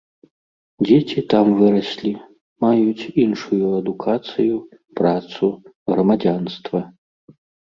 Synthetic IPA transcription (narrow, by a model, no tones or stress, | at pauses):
d͡zʲet͡sʲit̪amvɨɾɐsʲlʲi | majut͡sʲinʂujuɐd̪ukʰat̪sɨju | pɾat̪su | ɣɾɐmad͡zʲanst̪vɐ